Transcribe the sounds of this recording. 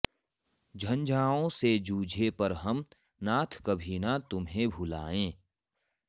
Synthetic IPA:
d͡ʒʱɐnd͡ʒaːõsed͡ʒuːd͡ʒʱepɐɾɦɐm | naːt̪ʰkɐbʱinat̪ʊmɦẽbʱʊla̰ːẽː

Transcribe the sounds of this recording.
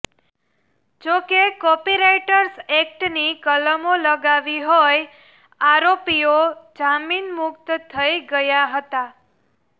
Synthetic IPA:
d͡ʒokekɔpiɾejʈəɾsɛk̚ʈnikələmoləɡaʋiɦoj | aɾopiod͡ʒaminmʊkt̪t̪ʰəiɡəjaɦət̪a

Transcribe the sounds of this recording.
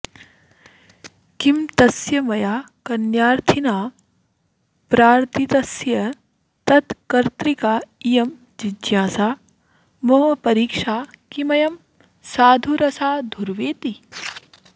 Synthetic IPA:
kimt̪ɐsjɐmɐjaː | kɐnjaːɾt̪ʰinaː | pɾaːɾt̪it̪ɐsjɐ | t̪ɐt̪kɐɾt̪ɾikaːijɐm | d͡ʒid͡ʒjãːsaː | mɐmɐpɐɾiːkʂaːkimɐjɐm | saːd̪ʱuɾɐsaːd̪ʱuɾʋeːt̪i

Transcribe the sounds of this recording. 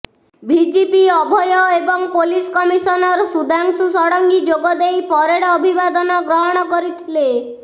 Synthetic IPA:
bid͡ʒepiɔbʱɔjɔebɔŋpoliskɔmisɔnɔɾsud̪ʱaŋsusɔɽɔŋɡid͡ʒoɡɔd̪ejpɔɾeɽɔbʱibad̪ɔnɔɡɾɔɦɔɽ̃ɔkɔɾit̪ʰile

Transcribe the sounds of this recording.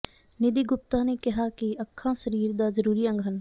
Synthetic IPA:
nɪd̪iɡʊp̚t̪anekɐɦakiɐkʰːãsɐɾiːɾd̪azəɾuːɾiɐ̃ŋɡʱɦən

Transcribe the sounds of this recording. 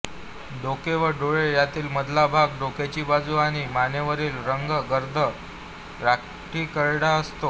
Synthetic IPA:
ɖokeʋəɖoɭejat̪iːlməd̪labʱaɡɖoket͡ɕiːbad͡zuːaɽ̃iːmaneʋəɾiːlɾəŋɡəɡəɾd̪ʱə | ɾak | ʈiːkəɾɽaəst̪o

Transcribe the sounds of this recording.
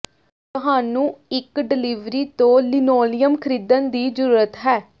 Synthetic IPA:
t̪ʊɦaːnũːɪkɖɪliːʋɾiːt̪õːlɪnoːlɪjəmkʰəɾiːd̪ənd̪iːd͡ʒəɾuːɾət̪ɦɛː

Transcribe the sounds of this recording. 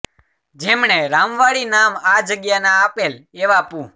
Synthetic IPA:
d͡ʒemɳeɾamʋaɽinamad͡ʒəɡjanaːpeleʋapũ

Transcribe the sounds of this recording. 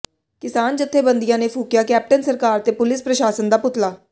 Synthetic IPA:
kɪsaːnd͡ʒət̪ʰːeːbənd̪ijãːneːpʰuːkjaːkɛːp̚ʈənsəɾkaːɾt̪eːpʊlɪspɾəʃaːsənd̪aːpʊt̪laː

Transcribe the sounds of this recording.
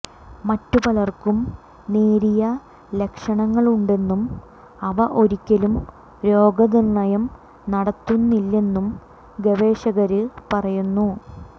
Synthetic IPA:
mɐtːupɐlɐrkum | neːɾijɐ | le̞kʂɐɳɐŋːɐɭuɳɖe̞nːum | ɐʋɐʔo̞ɾikʲːɐlum | ɾo̞ːɡɐnirnɐjɐm | nɐɽɐt̪ːunːilːe̞nːum | ɡeʋe̞ːɕɐɣɐɾɨpɐrɐjunːu

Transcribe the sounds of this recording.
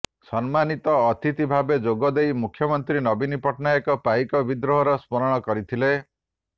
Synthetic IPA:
sɔnmanit̪ɔːt̪it̪ibʱabed͡ʒoɡɔd̪ejmukʰjɔmɔnt̪ɾinɔbinipɔʈnaekɔpajkɔbid̪ɾoɦɔɾɔspɔɾɔɽ̃ɔkɔɾit̪ʰile

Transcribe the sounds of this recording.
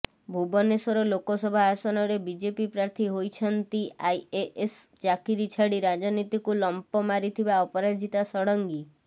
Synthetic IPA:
bʱubɔnesɔɾɔlokɔsɔbʱaːsɔnɔɾebid͡ʒepipɾaɾt̪ʰiɦojt͡ʃʰɔnt̪iajeʔes | t͡ʃakiɾit͡ʃʰaɽiɾad͡ʒɔnit̪ikulɔmpɔmaɾit̪ʰibaɔpɔɾad͡ʒʱit̪asɔɽɔŋɡi

